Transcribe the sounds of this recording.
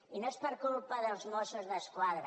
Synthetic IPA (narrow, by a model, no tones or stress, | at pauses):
inɐʃpɐɾkolˠupaðɐ̃ʒmɔʃɐʒðɐʃkwaðɾɐ